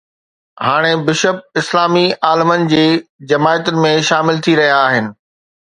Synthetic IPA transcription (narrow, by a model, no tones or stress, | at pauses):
haːɽ̃ebɪʃəb̚ɪslaːmiʔaːləmənɪ̆d͡ʑeːd͡ʑɐmaːjət̪ʊnɪ̆mẽʃaːmɪlt̪ʰiɾɐɦijaːɦɪnɪ̆